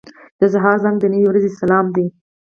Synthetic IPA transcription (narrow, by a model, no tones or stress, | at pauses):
d̪̥əzaɦɑɾzaŋɡd̪ənəwiwɾazesalɑmd̪i